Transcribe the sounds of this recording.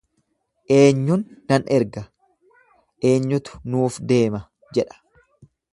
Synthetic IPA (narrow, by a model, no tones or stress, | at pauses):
ʔe̞ːɲːʊnːɐnʔɛɾɡɐ | ʔe̞ːɲːʊt̪ʊ̥nuːfd̪e̞ːmɐ | d͡ʒɛᶑɐ̥